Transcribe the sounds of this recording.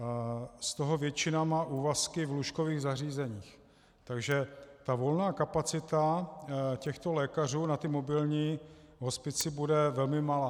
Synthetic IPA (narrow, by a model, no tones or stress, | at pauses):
st̪oɦo̞vjɛt͡ʃɪnamaːʔuːvaskɪvluʃkoviːɣzariːzɛɲiːx | t̪aɡʒɛt̪avo̞lnaːkapat͡sɪt̪a | cɛxt̪o̞lɛːkar̝uːnat̪ɪmobɪlɲiːɦo̞spɪt͡sɪbudɛvɛlmɪmalaː